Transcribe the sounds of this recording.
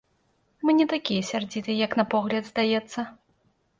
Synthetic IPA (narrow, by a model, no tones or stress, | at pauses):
mɨnʲɛt̪akʲijɐsʲard͡zʲit̪ɨjɐknɐpɔɣlʲɐd̪zd̪ajɛt̪sːɐ